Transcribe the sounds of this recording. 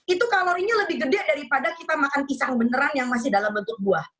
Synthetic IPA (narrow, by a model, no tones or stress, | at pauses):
it̪ukalawiniləbɪhɡədaʔdaɾipadakit̪amakanpisaŋbənəɾanjaŋmas̬ɪhdalambənt̪ʊk̚buah